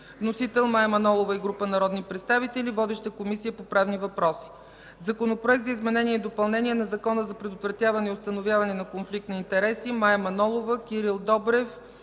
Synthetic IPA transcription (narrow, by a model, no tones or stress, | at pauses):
vnosit̪ɛlˠmajmɐnɔlˠovɐiɡɾupənɐɾɔd̪nipɾɛt̪st̪avit̪ɛlivɔd̪ɛʃt̪əkomisijəpopɾavnivɐpɾɔsi̥ | zɐkonopɾoɛk̚t̪zəizmɛnɛniɛid̪opɐlˠnɛnʲiɛnɐzɐkɔnəzɐpɾɛd̪ot̪vɾɐt̪javɐnɛiʊst̪ɐnovjavɐnɛnɐkonflikt̪nɐint̪ɛɾɛsimajmɐnɔlˠovəkiɾilˠd̪ɔbɾɛf